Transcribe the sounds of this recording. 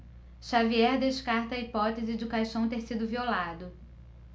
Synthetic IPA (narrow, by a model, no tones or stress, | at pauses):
ʃaviɛɾd̪eʃkaɾt̪ɐːipɔt̪ezɪd͡ʒɪkajʃɐ̃w̃t̪eɾsid̪ʊviolad̪ʊ